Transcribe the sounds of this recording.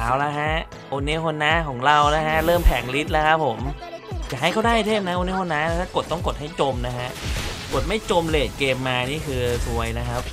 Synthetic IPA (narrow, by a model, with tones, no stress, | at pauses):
aː˩˦wla˦˥kʰa˦˥ʔ | o˧nːi˦˥kʰo˧nːaː˦˥kʰɔː˩˦ŋɾa˧wna˦˥kʰa˦˥ʔɾɤː˥˩mpʰɛː˩˦ŋli˦˥t̪̚la˦˥kʰa˦˥p̚ʰːo˩˦mt͡ɕaː˨˩ha˥˩jkʰa˥˩wdaː˥˩jt̪ʰeː˥˩m̚na˦˥ʔo˧ni˦˥kʰo˧nːaː˦˥˦t̪ʰaː˥˩ko˨˩t̪ːɔ˥˩ŋko˨˩t̪̚ha˥˩jt͡ɕo˧mna˦˥kʰa˦˥ʔko˨˩t̪̚ma˥˩jt͡ɕo˧mleː˨˩t̪̚keː˧mːaː˧niː˥˩kʰɯː˧su˧əjna˦˥kʰa˦˥p̚